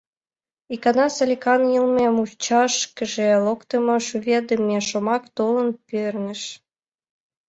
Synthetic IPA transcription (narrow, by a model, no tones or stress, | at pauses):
ikɑnɑsɑlʲikɑnilmemut͡ɕɑʃkə̆ʒelokt̪əmŏʃuβʲed̪əmeʃomɑkt̪olənpørnəʃ